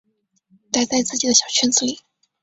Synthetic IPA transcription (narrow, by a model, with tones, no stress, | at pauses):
t̪a˥˧ɪt͡sa˥˧ɪt͡sɹ̩˥˩t͡ɕi˨˩d̪ə˦ɕjɑ˨˩ʊt͡ɕʰɥɛ˥nt͡sɹ̩˧˩li˨˩˦